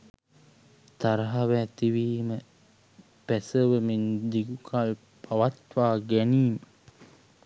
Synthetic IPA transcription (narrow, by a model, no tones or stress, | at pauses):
t̪aɾɐɦaʋæːt̪iʋiːmə | pæsəʋəmend̪iɡukal | paʋat̪ʋaːɡæniːmə